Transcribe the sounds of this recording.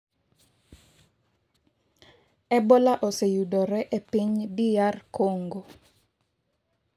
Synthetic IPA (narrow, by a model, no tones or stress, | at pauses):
ɛbɔlaʔɔsejudɔɾɛʔepiɲbiarkoŋɡo